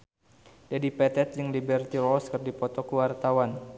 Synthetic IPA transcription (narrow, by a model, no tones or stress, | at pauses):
dadipɛt̪ɛt̪̚d͡ʒɨŋlibɛrt̪iɾɔskɨrdipɔt̪ɔkuwart̪awan